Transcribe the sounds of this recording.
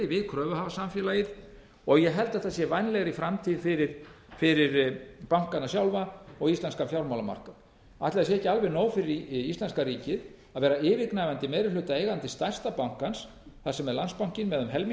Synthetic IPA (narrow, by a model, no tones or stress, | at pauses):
ɪvɪðkʰɾœːvʏhavasamfjɛlajɪð | ɔɣjɛɦɛlt̪aθasjɛvajnlɛɣɾifɾamt̪ʰiːðfɪɾɪɾ̥ | fɪɾɪɾpawŋ̥kanasjawlvaɔɣist̪anskafjawɾmawlama̰r̥ka | at̪lɪðasjɛɛhcːɪalvɛɾnoːwfɪɾɪɾist̪anskaɾiːcɪð | aðvɛːɾaɪːvɪknajvant̪ɪmeːjɾɪlʏt̪aeːjɣant̪ɪst̪ajr̥st̪apawŋ̥kans | θḁsɛmɛɾlanspawŋ̥cɪnmɛːðʏmɦɛlm